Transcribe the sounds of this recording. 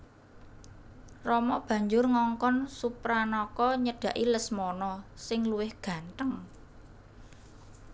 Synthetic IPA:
rɔmɔb̥ä̤ɲd͡ʒʊrŋɔŋkɔnsupɾanɔkɔɲəɖ̥ä̤ʔiləsmɔnɔsɪŋluwɪhɡ̥ä̤nt̪əŋ

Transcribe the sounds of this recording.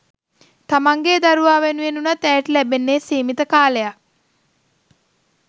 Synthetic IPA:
t̪amaŋɡeːd̪aɾuʋaːʋenuenunat̪ɛːʈəlæbenːesiːmit̪əkaːləjak̚

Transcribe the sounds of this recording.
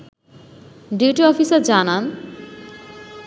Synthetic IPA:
ɖiuʈiɔfisaɾd͡ʑanan

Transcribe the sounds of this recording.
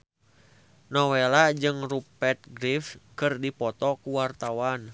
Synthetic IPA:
nɔwɛlad͡ʒɨŋrupɛt̪̚ɡɾifkɨrdipɔt̪ɔkuwart̪awan

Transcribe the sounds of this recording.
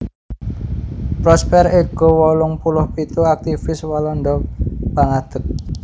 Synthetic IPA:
pɾɔspɛreɡ̥o̤wɔlʊŋpulʊhpit̪uak̚t̪ifɪswalɔɳɖɔb̥aŋad̪̥ək̚

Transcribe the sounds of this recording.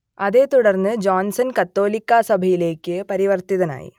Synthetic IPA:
ɐðeːt̪ɔɽɐɾnɨd͡ʒaːnsɐnkɐt̪ːoːlɪkːaːsɐbʱɐjɪleːkːɨpɐɾɪʋɐɾt̪iðɐna̰ːjḭ

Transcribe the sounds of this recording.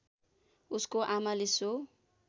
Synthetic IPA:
uskoʔamaleso

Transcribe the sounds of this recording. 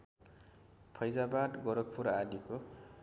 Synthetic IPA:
pʰʌjd͡zabad̪ɡʌɾʌk̚pʰuɾad̪iko

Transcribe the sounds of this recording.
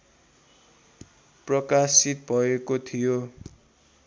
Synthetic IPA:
prʌkasit̪̚bʱʌekot̪ʰijo

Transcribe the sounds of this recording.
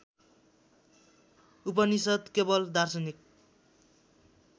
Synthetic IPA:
upʌnisʌd̪kebʌld̪arsʌnik̚

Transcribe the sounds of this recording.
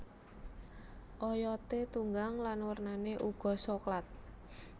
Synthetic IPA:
ʔɔjɔt̪et̪uŋɡaŋlanwərnaneʔuɡ̥ɔ̤soklat̪̚

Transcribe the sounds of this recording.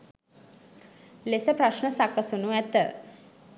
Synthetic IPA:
lesəpɾaʃnəsakəsonuɛt̪ə̰

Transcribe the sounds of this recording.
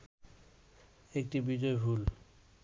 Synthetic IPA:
ek̚ʈibid͡ʑɔebʱul

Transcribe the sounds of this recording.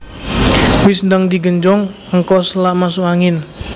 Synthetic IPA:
wɪsndəŋd̪iɡəɲd͡ʒɔŋ | əŋkɔslamasuaŋɪn

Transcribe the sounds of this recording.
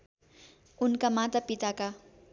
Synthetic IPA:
unkamat̪apit̪aka

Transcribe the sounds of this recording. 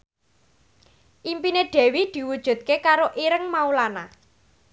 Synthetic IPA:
ʔimpineɖ̥ɛ̤wid̪̥i̤wud̥ʒ̥ṳt̪̚kekaɾoʔiɾəŋmaulana

